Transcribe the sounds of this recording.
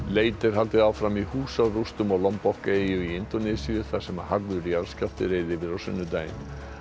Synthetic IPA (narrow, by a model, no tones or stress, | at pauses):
leːjt̪ɪɾ̥ɦalt̪ɪðaːwfɾamihuːsarust̪ʏmawlɔmpɔhkeːjʏiɪnt̪ɔnɪsiʏθḁsɛmaɦaɾvʏɾiaɾscaft̪ɪɾeːjðɪvɪɾawsʏ̰nːʏt̪aːjɪ̰n